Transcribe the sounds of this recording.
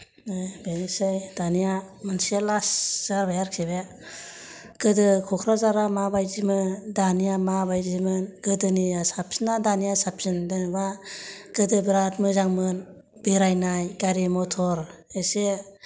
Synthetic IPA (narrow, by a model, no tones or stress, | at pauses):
ɯbenisɯjdanijamɯnselasz̥aɾbajaɾkʰebe | ɡɯdɯkʰɔkʰɾazaɾamabajzimɯndanijamabajzimɯnɡɯdɯniasapsinadanijasapsindɯbaɡɯdɯbɾatmɯzaŋmɯn | biɾajnajɡaɾimɔtʰɔɾese